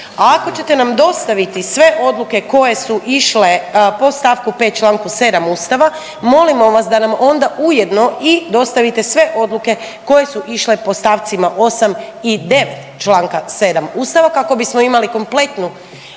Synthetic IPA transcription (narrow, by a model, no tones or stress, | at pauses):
aako̞t͡ɕe̞t̪e̞namd̪o̞st̪aʋit̪isʋe̞ʔo̞d̪lˠuke̞ko̞je̞suʔiʃle̞po̞st̪aːʋkupeːt̪̚t͡ʃlˠaːŋkuse̞d̪amuːst̪aʋa | mo̞limo̞ʋasd̪anamo̞nd̪aʔuje̞d̪no̞id̪o̞st̪aʋit̪e̞sʋe̞ʔo̞d̪lˠuke̞ | ko̞je̞suʔiʃle̞po̞st̪aːʋt̪simaʔo̞samid̪e̞ʋet̪t͡ʃlaːŋkase̞d̪amuːst̪aʋakako̞bismo̞imaliko̞mple̞t̪nu